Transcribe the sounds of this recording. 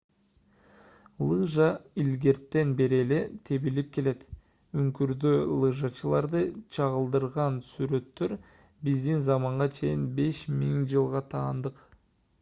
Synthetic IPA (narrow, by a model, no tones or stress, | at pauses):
lˠɯʒɑilɡe̞ɾt̪ːe̞nbe̞ɾele̞t̪ʰe̞βilip̚ke̞le̞t̪ | yŋkyɾd̪ølˠɯʒɑt͡ʃɯlˠɑɾd̪ɯt͡ʃʰɑʁɯlˠd̪ɯɾʁɑnsyɾø̞t̪ːø̞ɾ | bizd̪inzɑmɑɴʁɑt͡ʃʰe̞jinbe̞ʃmiŋd͡ʒɯlˠʁɑt̪ʰɑːnd̪ɯq